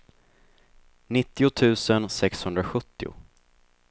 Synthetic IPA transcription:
nɪt̪ːɪʊt̪ʰʉ̟ːsənsɛkshɵnd̪ɾaɧɵt̪ːɪʊ̰

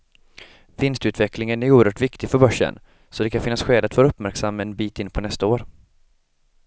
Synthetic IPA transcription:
vɪnst̪ʉ̟ːt̪vɛklɪŋənæɾuːəɾœːʈvɪkt̪ɪɡfœɾbœʂːə̰n | sɔd̪ɛkʰanfɪnːasɧeːd̪at̪voːɾaɵpmæɾksamːɛnbiːt̪ɪnːpʰɔnɛst̪aoːɾ

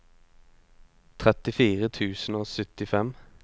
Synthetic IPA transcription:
t̪ʰʁɛt̪ɪfiːʁət̪ʰʉːsn̩oːsœt̪ɪfɛm

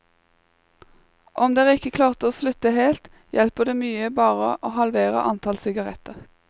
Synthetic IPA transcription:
ʔɔmd̪eːæːʁɪkəkʰlɑːʁt̪oːslʉt̪əheːlt̪ | jʔɛlpəd̪eːmyːəbɑːʁəʔoːhɑlʋeːʁə̰ʔɑnt̪ʰɑlsɪɡɑʁɛt̪əʁ

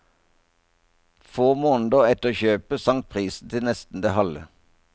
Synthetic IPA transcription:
foːmoːnd̪əɛt̪əʁoːçøːpəsɑŋt̪̚pʰʁiːsn̩t̪ʰɪlnɛst̪n̩d̪ehɑlə̰

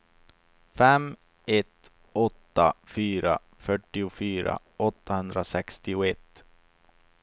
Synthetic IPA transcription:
fɛm | ɛt̪ | ɔt̪ːafyːɾa | fœʈːɪʊfyːɾa̰ | ɔt̪ːahɵnd̪ɾasɛkst̪ɪʊɛt̪ː

